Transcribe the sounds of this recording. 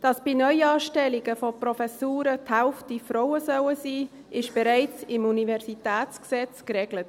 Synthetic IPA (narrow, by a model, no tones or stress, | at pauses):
d̥ɑsb̥inœʏjɑːʃtɛliɡəfoprɔfɛsuːɾəthæʊftifɾɔʊəsœwəsiː | ɪʃb̥ɛɾaɪt͡sɪmunivɛɾsitɛːt͡sksɛt͡skɾɛɡlət